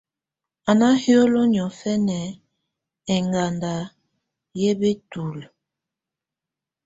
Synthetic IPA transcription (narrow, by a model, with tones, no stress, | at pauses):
a˨na˦hjo˦lo˦ɲ˨ɔ˨fɛ˦nɛ˨ | ɛ˨ŋɡa˨nda˨ | je˦be˦tu˨l